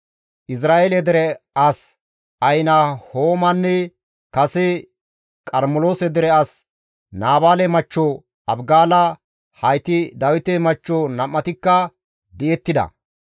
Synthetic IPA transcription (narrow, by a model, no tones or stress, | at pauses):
ʔɪs̬ɾaːʔelɛd̪ɛɾɛɐs | ɐjnɐhoːmɐnːɛ | kɐsɛ | kʼɐɾmɔloːsɛd̪ɛɾɛɐs | naːbaːlɛmɐt͡ʃːo | ɐbɡaːlɐ | hɐjt̪ɪd̪ɐwɪt̪ɛmɐt͡ʃːonɐmːɐt̪ɪkːɐ | d̪ɪjɛt̪ːɪd̪ɐ̰